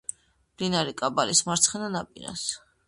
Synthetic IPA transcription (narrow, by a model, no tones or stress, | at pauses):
blinaɾikʼabalismaɾt̪sʰχɛnanapʼiɾa̰s